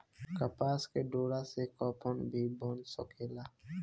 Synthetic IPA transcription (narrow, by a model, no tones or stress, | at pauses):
kəpaːskeɖoːɽasekɔːpʰonbʱiboːnsɔkeːlaː